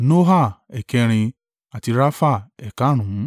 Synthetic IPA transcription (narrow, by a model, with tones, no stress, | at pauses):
no˦ɦa˦˨ɛ˨kɛ˧ɾ̃ĩ˧ | a˨ti˧ɾa˦fa˦˨ɛ˨ka˨˦ɾ̃ũ˨˦